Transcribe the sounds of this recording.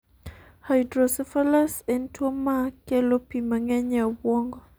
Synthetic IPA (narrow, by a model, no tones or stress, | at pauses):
hajdɾɔsɛfalasɛntʰumakɛlopimaŋɛɲawɔŋɡɔ